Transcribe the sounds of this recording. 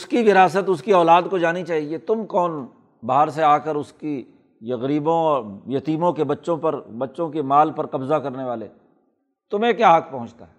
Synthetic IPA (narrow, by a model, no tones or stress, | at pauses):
ʊskiʋɪɾaːs̬ət̪ʊskiɔːlaːd̪kod͡ʒaːnit͡ʃaːɦiet̪ʊmkɔːn | baːɦəɾseaːkəɾʊski | jɐɣɾiːbõɔːɾjɐt̪iːmõkebɐtːʃõpɐɾbɐtːʃõkemaːlpɐɾqɐbzakɐɾneʋaːlḛ | t̪ʊmẽkjaːɦɐk̚pɐ̃ɦʊ̃t͡ʃt̪a̰ɦɛ